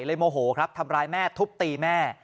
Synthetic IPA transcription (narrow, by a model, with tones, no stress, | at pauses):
jlɤː˧jmoː˧ɦoː˩˦kʰɾa˦˥p̚t̪ʰa˧mɾaː˧jmɛː˥˩t̪ʰu˦˥p̚t̪iː˧mɛː˥˩